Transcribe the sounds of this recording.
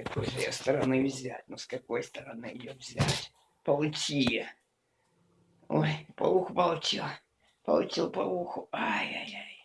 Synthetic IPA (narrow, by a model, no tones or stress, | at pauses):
kɐkojʐjast̪ɐɾɐnɨvzʲæ̰tʲnɔskɐkojst̪ɐɾɐnɨjovzʲa̰tʲ | pɐlˠtʲijɐ | ojpɐ̰lˠuxʊpɐlˠtʲilˠ | pɐ̰lˠtʲilˠpɐlˠuxʊajajaj